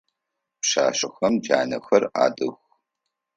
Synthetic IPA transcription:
pʃaːʃɐxɐmd͡ʒaːnɐ̰xɐra̰ːdɨx

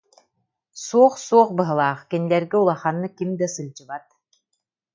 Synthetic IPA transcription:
suɔχsuɔχbɯɦɯlˠaːχkinilɛɾɡiulˠaχanːɯkimd̪asɯlʲt͡ɕɯbat̪̚

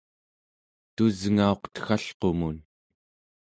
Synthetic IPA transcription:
t̪uzŋao̞qt̪ə̥xaɬqo̞mun

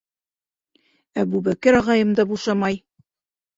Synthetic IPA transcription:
æbubækɘɾɑʁɑjɤ̆md̪ɑbuʃɑmɑj

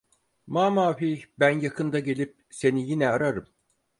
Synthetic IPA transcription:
mamaːfibænjakʰɯnd̪aɟe̞lʲip̚se̞nijinɛaɾaɾɯm

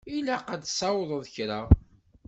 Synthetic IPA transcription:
ilæqad̪sɑwðˤəðˤçɾa

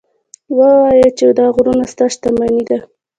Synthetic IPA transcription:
wawɑjat͡ʃed̪ɑɣɾunast̪ɑʃt̪amanid̪a

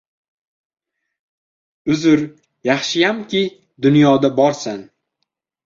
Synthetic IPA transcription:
ʊzʊɾ | jɑχʃɪjamkʲʰɪ | d̪ʊnjɒd̪abɒɾsan

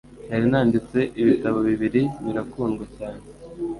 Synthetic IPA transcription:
naɾinaːndit͡se̞ʔiβitaβoβiβiɾiniɾakuːnɡwecaːne

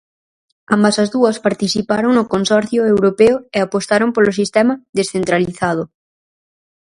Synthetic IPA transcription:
a̰mbɐsɐzðuɐspaɾt̪iθipaɾoŋnʊkonsɔɾθjʊewɾopeʊeapost̪aɾompolosist̪ɛmɐðesθent̪ɾaliθað̞ʊ

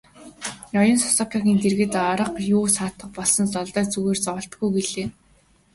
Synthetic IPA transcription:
ɔjɞ̆nsɔ̥sɔkʲʰaɣʲiːnt̪erɣɘ̆t̪ɔɾə̆qjuːsaːt̪ə̆q̚pɔɮsɞ̆nt͡sɔɮt̪œːt͡suɣeːrt͡sɔwɞ̆ɬt̪ɡujɡeɮeː

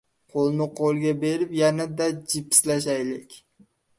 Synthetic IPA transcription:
qʰolˠnɪqʰolˠɡʲabe̞ɾɪpjanad̪ad͡ʒɪpʰːɪ̥slaʃ̬ajlɪkʲ

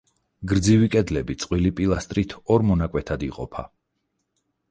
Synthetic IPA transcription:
ɡɾd̪zivikʼɛd̪lɛbit̪sʼqʼwilipʼilˠast̪ʼɾit̪ʰɔɾmɔnakʼwɛt̪ʰad̪iqʼɔ̰pʰa̰

